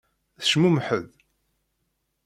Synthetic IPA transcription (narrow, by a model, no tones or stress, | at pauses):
θəʃmumħəð